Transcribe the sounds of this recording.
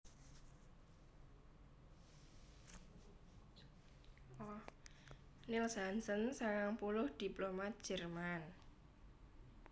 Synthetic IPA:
lilsansənsaŋaŋpulʊhd̪̥i̤plomat̪̚d̥ʒ̥ɛ̤rman

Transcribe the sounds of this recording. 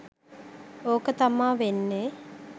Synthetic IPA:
oːkət̪amaːʋenːe

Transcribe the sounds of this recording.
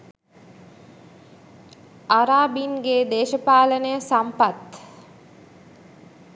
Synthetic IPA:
aɾaːbinɡeːd̪eːʃəpaːlənəjəsampat̪

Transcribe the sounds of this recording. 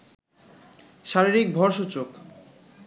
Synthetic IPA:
ʃaɾiɾik̚bʱɔɾʃot͡ɕok

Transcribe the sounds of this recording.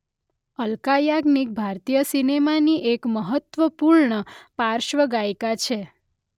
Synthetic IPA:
əlkajaɡnik̚bʱaɾt̪ijəsinemaniʔekməɦət̪ʋəpuɾɳəpaɾʃʋəɡajkat͡ʃʰe

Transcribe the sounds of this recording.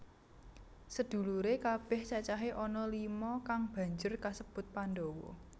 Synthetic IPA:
səd̪̥ṳluɾekab̥ɛ̤ht͡ʃat͡ʃaɦeʔɔnɔlimɔkaŋb̥ä̤ɲd͡ʒʊrkasəb̥ʊt̪̚panɖowɔ̰

